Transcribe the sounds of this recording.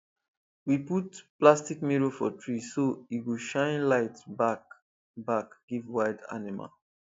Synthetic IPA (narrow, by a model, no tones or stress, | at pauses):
wiputplastikmiɹofɔ̰tʰɹisoiwuʃãɪ̃nlaɪtbak | bakɡ̥ivwaɪda̰nima̰l